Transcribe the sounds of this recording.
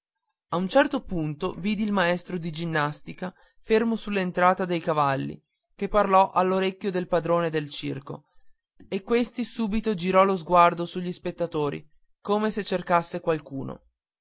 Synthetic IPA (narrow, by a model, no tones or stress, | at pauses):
aunt͡ʃɛrt̪opunt̪oviːd̪iːlmaɛst̪ɾod̪id͡ʒinːast̪ika | fermosulːent̪ɾaːt̪ad̪ejkavalːḭ | kepːarlɔʔalːoɾekʲːjod̪elpad̪ɾoːned̪elt͡ʃḭrko̰ | ekːwest̪isuːbit̪od͡ʒiɾɔlozɡward̪osuʎːispet̪ːat̪oːɾḭ | koːmeset͡ʃːerkasːekwalkuːno̰